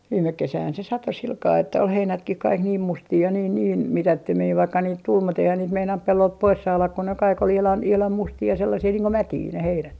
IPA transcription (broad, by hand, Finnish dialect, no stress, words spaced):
ʋiːmek kesæhæn se sɑto silkɑː etːæ ol heinætkih kɑik niːm mustiː jɑ niːn niːn mitætːømiː ʋɑikːɑ niːt tul mut eihæn niːt meinɑnt pelːolt pois sɑːlɑk ko ne kɑik ol ihlɑn ihlɑm mustiː jɑ selːɑsiː niːŋ ko mætiː ne heinæt